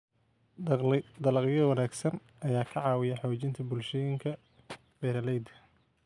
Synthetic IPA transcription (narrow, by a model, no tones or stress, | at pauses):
d̪ɐlɐqjɐwɑnaːɡsɐn | ʔɐjaːkʰɐʕɑːwɪjɛħɔːt͡ʃɪnt̪ʰɐbʊlʃɛjɪŋkʰɐ | b̥ɛɾɐlɛjd̪ɐ